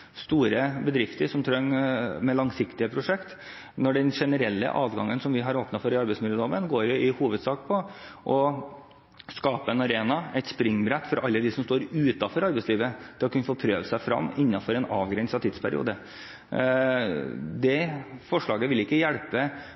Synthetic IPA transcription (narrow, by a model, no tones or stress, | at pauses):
st̪uːɾəbəd̪ɾɪft̪əɾʂɔmt̪ʰɾœŋːmɛlɑŋsɪkt̪ɪəpʰɾʊʂɛkt̪ | nɔɖɛnʂɛnəɾɛlːə̰ʔɑːʋɡɑŋːənsɔmʋɪɦɑɾoːpnɑfɔɾɪɑɾbɛɪsmɪləd̪oːʋənɡoːɾjʊɪhuːʋəd̪sɑːkpʰɔʔɔ | skɑːpəɛnɑɾeːnɑɛɪt̪spɾɪŋːbɾɛt̪ːfɔɾɑlːəd̪ɪsɔmst̪oːɾʉːt̪ɑfɔɾɑɾbɛɪsliːʋət̪ʰɪlɔkʰʉnːəfoːpʰɾøːʋəsæɪfɾɑ̰mːɪnːɑfɔɾɛnɑːʋɡɾɛnsɑt̪ʰiːd̪spʰæɾɪ̰ṵːd̪ə | d̪ɛfɔʂɭɑːɡəʋɪlɪkːəjæɽpə